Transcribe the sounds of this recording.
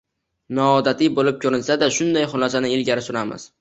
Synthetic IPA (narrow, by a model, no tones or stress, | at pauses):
nɒːd̪at̪ʰɪbolɪp̚kʲʰɵɾɪnsad̪aʃʊnd̪ajχʊlˠɒsanɪɪlɡʲaɾɪsʊɾamɪ̰z̥